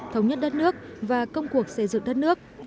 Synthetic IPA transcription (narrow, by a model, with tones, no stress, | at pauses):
t̪ʰə˨˦wɲə˦˥t̚ɗə˦˥t̚nɨ˦˥ək̚vaː˨˩kə˧wŋ͡mku˨˩ək̚sə˧˩jzɨ̰˧˨ŋɗə˦˥t̚nɨ˦˥ək̚